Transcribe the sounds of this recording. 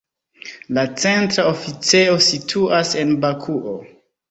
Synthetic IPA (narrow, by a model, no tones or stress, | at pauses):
lat͡se̞ntɾaofit͡seo̞sitʰuase̞nbakʰuʔo